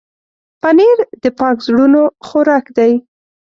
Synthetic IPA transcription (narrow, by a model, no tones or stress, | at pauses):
paneɾd̪əpɑkzɽunoxoɾɑkd̪aj